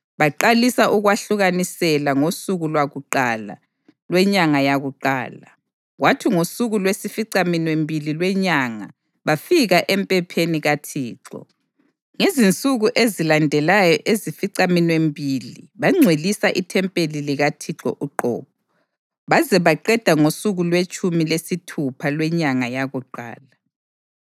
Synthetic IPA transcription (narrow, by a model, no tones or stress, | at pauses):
βaǃalisaʔuɣwaɬuɣanisɛlaŋosuɣulwaɣuǃaːla̰ | lwɛɲaŋajaɣuǃa̰ːla | ɣwatʰiŋosuɣulwesifiǀaminwembʱililwɛɲaŋa̰ | βafiɣaʔɛmpʼɛpʰeniɣatʰiːǁɔ̰ | ŋezint͡sʼuɣuʔezilandʱɛlajɔʔezifiǀaminwembʱiliβaŋ͡ǀʱwelisaʔitʰɛmpʼeliliɣatʰiǁɔ̰ʔuǃɔ̰ːp̚ʰɔ | βazɛβaǃɛd̥ʱaŋosuɣulwet͡ʃʼumilesitʰupʰalwɛɲaŋajaɣuǃa̰ːla